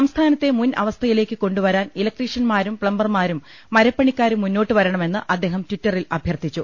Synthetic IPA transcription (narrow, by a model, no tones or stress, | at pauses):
sɐmst̪ʰaːnɐt̪ːe̞munɐ̰ʋɐst̪ʰɐjile̞ːkʲːɨko̞ɳɖuʋɐɾaːnilɐk̚ʈriʂɐnmaːɾumpɭɐmbɐrmaːɾumː | ɐɾɐpːɐɳikʲːaːɾumːunːo̞ːʈːɨʋɐɾɐɳɐme̞nːɨʔɐd̪ːe̞ːɦɐmtwitːɐrilɐbʱjɐrt̪ʰit͡ɕːu